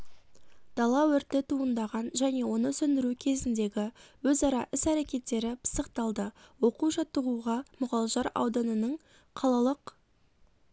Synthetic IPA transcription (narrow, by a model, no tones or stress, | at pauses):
d̪̥ɑlˠɑwɵɾt̪ːɪt̪ʰuənd̪ɑʁɑnʒæne̞wo̞nəsʏnd̪ɪɾukʲʰe̞zɪnd̪e̞ɡʲɪwɵzɑɾɑʔɪsæɾe̞kʲe̞t̪ːe̞ɾɪpʰə̥səqt̪ɑlˠd̪əwo̞quʒɑt̪ːəʁuʁɑmʊʁɑlˠəʒɑɾɑ̰wd̪ɑnənəɴ | qʰɑlˠɑlˠəq